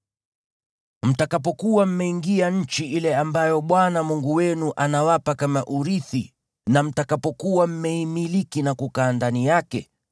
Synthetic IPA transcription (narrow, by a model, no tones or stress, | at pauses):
m̩takapɔkuwam̩mɛiŋɡiaɲ̩t͡ʃiʔilɛambajɔɓwanamuŋɡuwɛnuʔanawapakamaʔuɾiθi | nam̩takapɔkuwam̩mɛimilikinakukaːndanijakɛ